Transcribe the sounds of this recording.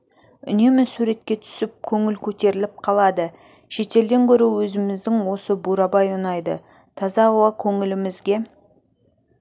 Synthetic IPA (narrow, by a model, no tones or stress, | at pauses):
ʏne̞mɪsuɾe̞t̪̚kʲe̞t̪ʰʏ̥sɪp̚kʲʰɵŋɪlkʲʰɵt̪e̞ɾɪlɪp̚qʰɑlˠɑd̪ə | ʃe̞t̪e̞ld̪e̞ŋkʲʰɵɾɪwɵzɪmɪzd̪ɪŋwo̞səbuɾɑbɑjʊnɑjd̪ə̰ | t̪ʰɑzɑowɑkʲʰɵŋɪlɪmɪzɡʲe̞